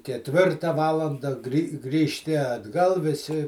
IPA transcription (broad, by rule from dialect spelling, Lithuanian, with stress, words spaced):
kʲɛtʲˈʋʲɪrtɐ ˈʋɑːlˠɐndɐ ɡrʲiː ɡrʲiːʃʲˈtʲɪ ɐdˈɡɐlˠ ʋʲɪˈsʲɪ